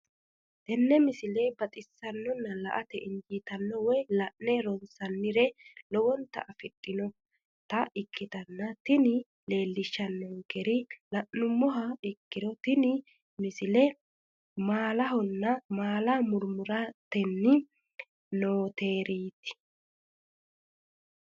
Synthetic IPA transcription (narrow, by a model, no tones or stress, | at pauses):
t̪ɛnːɛmɪsɪlɛbɐt̪ʼɪsːɐnːɔnːɐlɐ̰ʔɐt̪ɛɪnd͡ʒiːt̪ɐnːɔwɔjlɐʔnɛɾɔnsɐnːɪɾɛlɔwɔnt̪ːɐ̰ʔɐfɪtʼːɪnɔ | t̪ɐɪkːɪt̪ɐnːɐt̪ɪnɪ | le̞ːlːɪʃːɐnːɔŋkɛɾɪlɐʔːʊmːɔɦɐɪkːɪd̪ɔt̪ɪnɪ | mɪsɪlɛ | maːlɐɦɔnːɐmaːlɐmʊɾmʊɾɐt̪ɛnːɪ | noːt̪eːɾiːt̪ɪ̥